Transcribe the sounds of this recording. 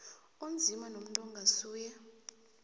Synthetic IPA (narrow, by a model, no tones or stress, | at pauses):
ond͡zʱimanom̩tʼɔŋɡʱasuːjɛ